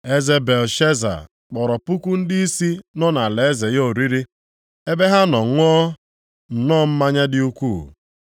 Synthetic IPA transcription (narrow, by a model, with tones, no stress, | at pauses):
e˦ze˦be˨lʃe˦za̰˨ | k͡pɔ˨ɾɔ˨pu˦kʷu˦n̩˦dɪ˦i˦si˦nɔ˦na˨le˨e˦ze˨jo˦˨ɾi˦ɾi˦ | e˦be˦ɦa˦nɔ˨ŋʷ˦ɔ˦ | n̩˨nɔː˦˨m̩˦ma˦ɲa˦dɪ˦u˦kʷu˦˨